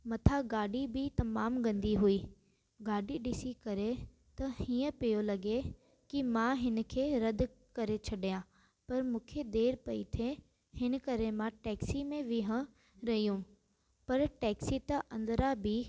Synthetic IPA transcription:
mɐt̪ʰaɡaːɖibɪt̪ɐmaːmɡɐ̃nd̪iɦuiː | ɡaːɖiɗɪsikɐɾe | t̪ɐhĩːə̃pijolɐɡe | kimãɦɪnə̆kʰeːɾɐd̪kɐɾet͡ɕʰɐɗijã | pɐɾmũːkʰed̪eːɾpɐḭt̪ʰe | hɪnəkɐɾemãʈɛːksimẽʋɪɦə̃ | ɾɐɦijũ | pɐɾʈɛːksit̪ɐʔɐ̃nd̪ɾabɪ

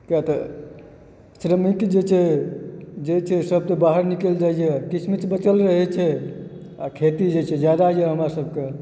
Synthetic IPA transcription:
kɛt̪ə | sɾəmikd͡ʒet͡ʃʰɛ | d͡ʒet͡ʃʰɛsəb̚t̪ebaɦəɾnikeld͡ʒajd͡ʒɛkit͡ʃʰmit͡ʃbət͡ʃəlɾəɦɛt͡ʃʰɛ | a̰kʰet̪id͡ʒet͡ʃʰɛd͡ʒjad̪ad͡ʒɛɦəmɾasəb̚ke

